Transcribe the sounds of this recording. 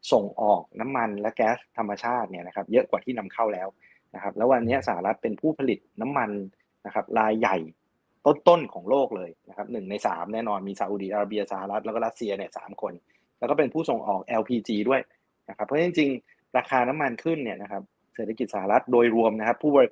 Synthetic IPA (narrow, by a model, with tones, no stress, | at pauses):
so˨˩ŋʔɔː˨˩k̚na˦˥mːa˧nlɛ˦˥kɛː˦˥st̪ʰːa˧mːa˧t͡ɕʰaː˥˩t̪̚ni˥˩ɐna˦˥kʰa˦˥p̚jɤ˦˥ʔkwaː˨˩t̪ʰiː˥˩na˧mkʰa˥˩wlɛː˦˥w | na˦˥kʰa˦˥p̚lɛː˦˥wa˧nːi˦˥ɐsa˧˩ha˧ɾa˦˥t̪̚pe˧npʰuː˥˩pʰa˧li˨˩t̪̚na˦˥mːa˧n | na˦˥kʰa˦˥p̚ɾaː˧jːa˨˩j | t̪o˥˩nt̪o˥˩nkʰɔː˩˦ŋloː˥˩k̚lɤː˧jna˦˥kʰa˦˥p̚nɯ˨˩ŋna˧jsa̰ː˩˦mnɛː˥˩nɔː˧nmiː˧sa˧ʔuː˨˧˩di˨˩ʔaː˧ɾa˦˥˩bi˧ɐsa˧˩ha˧ɾa˦˥t̪̚lɛ˦˥kːɾa˦˥t̪̚si˧ɐni˥˩ɐsa̰ː˩˦mkʰo˧n | lɛ˦˥wkɔː˥˩pe˧npʰuː˥˩so˨˩ŋʔɔ̰ː˨˩k̚ʔɛ˧wpʰiː˧t͡ɕiː˧du˥˩əj | na˦˥kʰa˦˥pʰːɔ˦˥t͡ɕi˧ŋt͡ɕi˧ŋ | ɾaː˧kʰaː˧na˦˥mːa˧nkʰɯ˥˩nːi˥ɐna˦˥kʰa˦˥p̚ | seː˨˩t̪ʰa˧ki˨˩t̪̚sa˧˦ha˧ɾa˦˥t̪̚doː˧jɾu˧əmna˦˥kʰa˦˥pʰːuː˥˩ɔː˧ɾi˧